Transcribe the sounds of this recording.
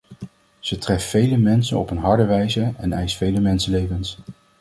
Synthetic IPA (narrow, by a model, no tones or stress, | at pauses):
z̥ətrɛffejləmɛnsə̰nɔ̰pənɦɑɹdəʋɛjzəɛnɛjstfejləmɛnsəlejvəns